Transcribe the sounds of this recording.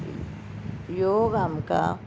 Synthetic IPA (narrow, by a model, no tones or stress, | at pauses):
joɣamka̰